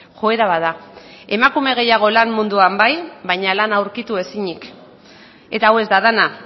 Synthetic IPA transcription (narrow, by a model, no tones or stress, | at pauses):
xo̞e̞ɾaβaðae̞makume̞ɣ̞e̞jaɣ̞o̞lanmund̪uambajβajɲalanawɾkit̪ue̞siɲik | e̞t̪aawe̞zd̪aðana